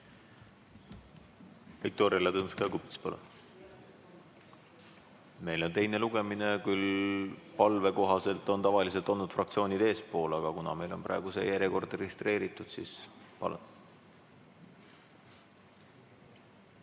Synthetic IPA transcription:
vik̚t̪oːɾiɑlɑt̪ɤnskɑkupt̪spɑlun | me̞jlo̞nt̪e̞jne̞luɡe̞mine̞kylpɑlve̞ko̞ɦɑse̞lt̪ːˑo̞nt̪ɑvɑlis̬et̪o̞nːud̪̥frɑk̚t̪sio̞ːnid̪e̞ːspo̞ːlɑɡ̥ɑkunɑ̰me̞jlo̞nprɑ̰eɡ̥usḛjæɾjeko̞rd̪reɡist̪re̞ːɾit̪ːˑud̪̥siːspɑ̰lṵn

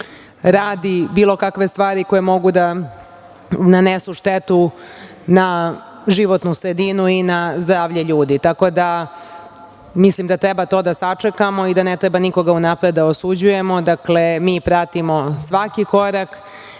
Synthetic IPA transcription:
ɾaːd̪ibiːlˠo̞kakʋe̞st̪ʋaːɾiko̞jemo̞ɡud̪a | nanesuʂt̪et̪u | na | ʒiʋo̞t̪nusɾed̪inuinazd̪ɾaːʋʎe̞ʎuːd̪it̪ako̞d̪a | mislimd̪at̪ɾebat̪o̞d̪asat͡ʂekamo̞id̪anet̪ɾebaniko̞ɡaunapɾed̪d̪aosud͡ʑuje̞mo̞d̪akle̞miːpɾat̪imo̞sʋakiko̞ɾak

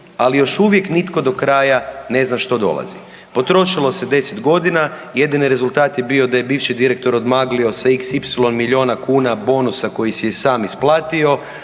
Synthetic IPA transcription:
alijo̞ʃuʋje̞knit̪ko̞d̪o̞kɾaːjane̞znaʃt̪o̞d̪o̞̰lˠa̰zi | po̞t̪ɾo̞ʃilˠo̞se̞d̪e̞set̪ɡo̞d̪inaje̞d̪iniɾe̞zulˠt̪aːt̪jebio̞d̪aje̞biːʋʃid̪iɾe̞k̚t̪o̞ɾo̞d̪maːɡlio̞saiksipsilˠo̞nmiʎio̞ːnakuːnabo̞ːnusako̞jisijesaːmisplˠaːt̪io̞

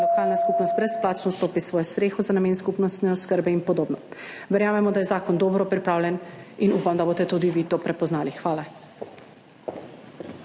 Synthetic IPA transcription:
lɔkaːlnaskupnɔst̪̚bɾɛsplaːt͡ʃnɔst̪oːpisʋɔːjɔst̪ɾeːxɔzanameːnskupnɔst̪nɛɔskəɾbɛinpɔd̪oːbnɔʋɛɾjaːmɛmɔd̪ajɛzaːkɔnd̪oːbɾɔpɾipɾaːwlʲjɛninupamd̪aboːst̪ɛt̪ud̪iʋit̪oːpɾɛpɔznaːlixʋaːla

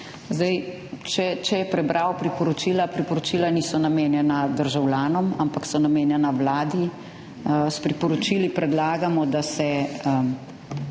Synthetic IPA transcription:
zd̪ɛj | t͡ʃɛt͡ʃɛjɛpɾɛbɾʔaːwpɾipɔɾot͡ʃilapɾipɔɾot͡ʃiːlaniːsɔnameːnjɛnad̪əɾʒawljaːnɔmampaksɔnameːnjɛnawlaːd̪i | spɾipɔɾot͡ʃiːlipɾɛd̪laːɡamɔd̪asɛ

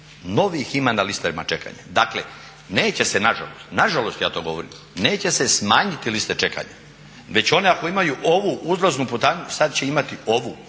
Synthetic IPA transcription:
no̞ʋiximanalist̪aʋima̰t͡ʃe̞ka̰ɲad̪aːklḛ | neːt͡ɕe̞se̞naʒa̰lo̰st̪naʒalo̞st̪jaːt̪o̞ːɡo̞ʋoɾḭm | ne̞ːt͡ɕe̞se̞smaːɲit̪ilist̪et͡ʃe̞ka̰ɲa̰ | ʋe̞t͡ɕo̞neako̞imajuʔo̞ʋuʔuzɾoznupot̪aːɲusad̪t͡ɕe̞imat̪io̞ʋu

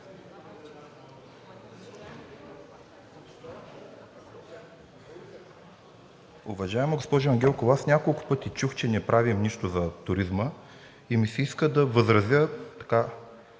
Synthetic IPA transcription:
ʊvɐʒaɛmoɡospɔʒʊɐŋɡʲɛlˠkolˠasnʲakolˠkʊ̥pɤt̪it͡ʃuxt͡ʃɛnɛpɾʔavimniʃt̪ʊzɐt̪ʊɾizmə | imisɛiskəd̪ɐvəzɾɐzjət̪ɐ̥ka

